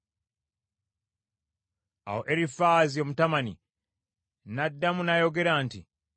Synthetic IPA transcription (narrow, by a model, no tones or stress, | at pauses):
a̰wo̞ʔe̞ɾifaːzio̞mutamanḭ | nadːamunajo̞ɡe̞ɾaːnti